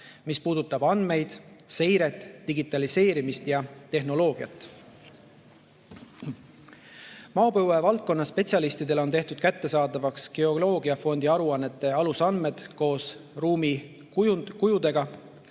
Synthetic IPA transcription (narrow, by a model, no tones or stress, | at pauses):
mispuːd̪̥ut̪ːˑɑbɑnd̪me̞jd̪̥se̞jɾe̞t̪ˑːiɡit̪ːˑɑlise̞ːɾimist̪jɑt̪e̞ɦno̞lo̞ːɡ̥iɑt̪ːˑ | mɑːopowevɑlt̪̚ko̞nːɑspe̞t̪ʲsiɑlist̪id̪e̞lo̞nt̪e̞ht̪ud̪̥̚kæt̪ːe̞sɑːd̪ɑvɑksɡ̥eo̞lo̞ːɡ̥iɑfo̞nd̪iɑɾuɑnːe̞t̪ːˑe̞ɑlusɑnme̞d̪̥ko̞ːs | ruːmi | kujud̪̥e̞ɡ̥ɑ